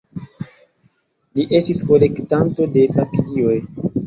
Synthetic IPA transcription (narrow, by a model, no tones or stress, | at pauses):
liʔe̞stisko̞le̞ktanto̞de̞papilio̞j